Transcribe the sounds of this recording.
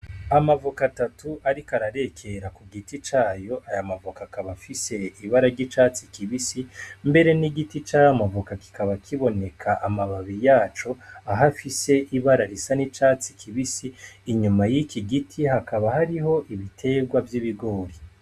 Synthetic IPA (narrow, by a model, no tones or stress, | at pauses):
amavukatatuʔaɾikaɾaɾe̞kʰe̞ɾakuɡitit͡ʃaːjo̞ʔajamavukakaβafise̞iβaɾaɾɟit͡ʃat͡sikiβisimbe̞ɾe̞niɡitit͡ʃajamavukaki̥kaβakʰiβo̞ne̞kʰaʔamaβaβijaːt͡ʃo̞aɦafise̞ʔiβaɾaɾisanit͡ʃaːt͡sikʰiβisiːɲumajikiɡitʰihakaβahaɾiɦo̞ʔiβitʰe̞ɡwavjiβiɡo̞ːɾi